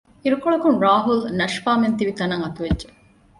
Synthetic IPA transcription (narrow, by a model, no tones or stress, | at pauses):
iɾukoɭɐkunɾaːɦulnɐʃpaːment̪iʋit̪ɐnɐŋɐt̪uʋedʒe